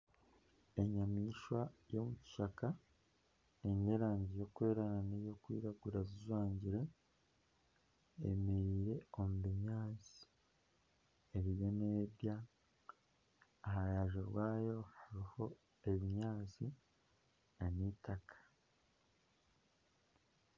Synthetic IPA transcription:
e̞ɲamiːʃwajo̞muci̥ʃaka | eɲe̞ɾaːɲɟijo̞kwe̞ːɾananejo̞kwḭːɾaɡuɾazizwaːɲɟiɾe̞ | ḛmiɾiːɾe̞o̞muβiɲaːt͡si̥ | eβijo̞neːɾja | ɦajaʒoɾwaːjo̞haɾiho̞ | e̞βiɲaːt͡si | eniːtakʰḁ

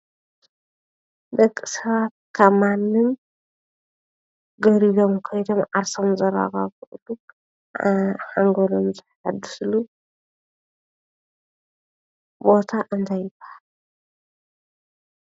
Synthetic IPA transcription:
d̪ɐkʼːɨsɐβat̪̚kʰamanːɨm | ɡɐβɾidomkʰɐjd̪omʕaɾsomzɐɾa̰ɣa̰βkʰɨʔɨlu | ħaŋɡolomzɨħħad̪ɨ̥slu | bo̞t̪ʰaʔɨnt̪ʰajɨbaal

